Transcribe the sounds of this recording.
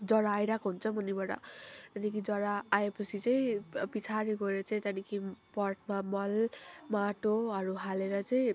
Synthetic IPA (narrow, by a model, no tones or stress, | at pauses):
d͡zʌɾaːjɾakoɦunt͡sʰʌmʌnibaɽʌ̰t̪ʌnikʰid͡zʌɾaːepʌt͡sʰit͡saĩpit͡sʰaɾiɡʌeɾʌt͡saĩt̪anikʰipʌrʈ̚mamʌlmaʈoʌɾuɦaleɾʌt͡saj̃